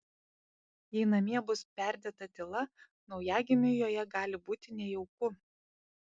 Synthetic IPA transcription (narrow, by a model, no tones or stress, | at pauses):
jɛɪnɐmʲiɛbʊspʲæˑɾʲd̪ʲeːt̪ɐt̪ʲɪlˠɐ | nɒʊjæːɡʲɪmʲɪjoːjɛɡɑːlʲɪbuːt̪ʲɪnʲɛjɛʊkʊ